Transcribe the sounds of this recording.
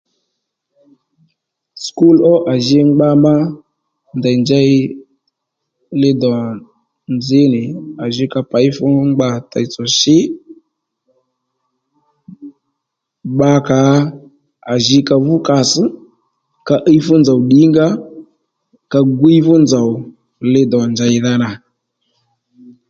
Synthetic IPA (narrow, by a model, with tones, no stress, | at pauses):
sku˦lɔ˦ʔa˨ʒɪ˦ŋ͡mɡ͡ba˦ma˦ | nda˨nd͡ʒa˦i˦ | lɪ˦dɔ˨a˨ | nd͡zɪ˦nɪ˨a˨ʒɪ˦ka˧pa˨˦ɪ˦fʊ˦ŋ͡mɡ͡ba˧ta˨i˨t͡sɔ˨ʃɪ˦ | ɓa˧ka˨˦ | a˨ʒɪ˧ka˧vʊ˦ka˨sɨ˦ | ka˧ʔə˦jfʊ˦nd͡za˨wɗi˨˦ŋɡa˦ | ka˧ɡu˦i˦fʊ˦nd͡za˨ʊ˨ | lɪ˦dɔ˨nd͡ʒa˧ɪ˧ða˧na˨